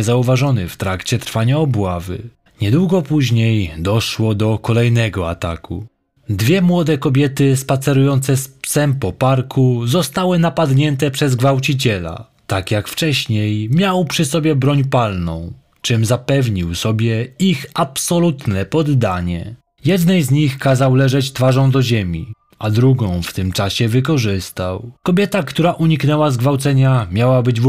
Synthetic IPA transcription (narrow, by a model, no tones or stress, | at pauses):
ɛzauvaʐɔnɘft̪ɾakt͡ɕɛt̪ɾfaɲaɔbwavɘ̰ | ɲɛd̪wuɡɔpuʑɲejd̪ɔʂwɔd̪ɔkɔlɛjnɛɡɔa̰t̪a̰kʰṵ | d̪vʲjɛmwɔd̪ɛkɔbʲjɛt̪ɘspat̪sɛɾujɔnt̪sɛspsɛmpɔpaɾkʰuzɔst̪awɘnapad̪ɲɛnt̪ɛpʂɛzɡvawt͡ɕit͡ɕɛla̰ | t̪akjakft͡ʂɛɕɲejmʲjawpʂɘsɔbʲjɛbɾɔɲpalnɔ̰̃w̃ | t͡ʂɘmzapɛvɲiwsɔbʲjɛixapsɔlut̪nɛpɔd̪ːaɲɛ̰ | jɛd̪nɛjzɲixkazawlɛʐɛt͡ɕt̪faʐɔ̃w̃d̪ɔʑemʲḭ | ad̪ɾuɡɔ̃w̃ft̪ɘmt͡ʂaɕɛvɘkɔʐɘst̪awkɔbʲjɛt̪akt̪uɾaʔuɲiknɛwazɡvawt̪sɛɲamʲjawabɘd͡ʑ